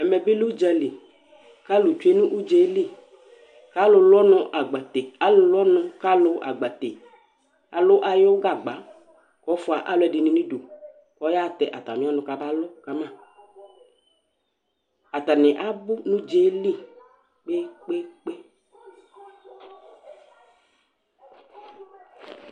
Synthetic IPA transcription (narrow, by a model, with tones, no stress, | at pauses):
ɛ˨mɛ˨bɪ˦lu˦d͡ʒɛ˧li˨ | ka˦lʊ˨t͡ʃu˦e˦nũ˦ʔu˦d͡ʒe˦li˦˨ | ka˦lʊ˨lɔ˦nɔ̃˨ʔa˨ɡ͡ba˨te˨a˨˦lʊ˦lɔ˦nʊ̃˨ka˦lʊ˦ʔa̰˨ɡ͡ba˨t̪e˨ | a̰˨lʊ˦ʔa˨jʊ˦ɡa˨ɡ͡ba˨˦ | kɔ˨˦fʊ˦a˨ʔa˦lʊ˦ɛ˨dɪ˨nĩ˨nĩ˦du˨ | kɔ˨˦ja˦˨t̪ɛ˨ʔa˨t̪a˨mĩ˨˦a˦nʊ̃˧ka˨ba˦lʊ˦ka˨mã˦˨ | a˨ta˨nɪ˨ʔa˦bʊ˦nʊ̃˦d͡ʒe˦li˦˨ | k͡pe˦k͡pe˦k͡pe˦